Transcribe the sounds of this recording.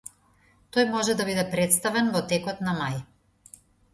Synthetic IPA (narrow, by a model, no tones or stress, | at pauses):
t̪ɔjmɔʒɛd̪abid̪ɛpɾɛt̪st̪avɛnvɔt̪ɛkɔt̪namaj